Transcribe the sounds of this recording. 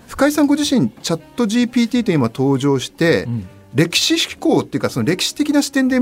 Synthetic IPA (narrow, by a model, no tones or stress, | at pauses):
ɸɯ̟̥kaisãŋɡo̞ʑiɕĩɲ̟t͡ɕat̪ːo̞ʑiːpʲiːt̪ʲiːt̪o̞imat̪o̞ːʑo̞ːɕi̥t̪e̞ | ɾe̞kʲi̥ɕiɕi̥ko̞ːt̪ːeiɯ̟kaso̞nɾe̞kʲi̥ɕi̥t̪e̞kʲinaɕi̥t̪ẽ̞nd̪e̞i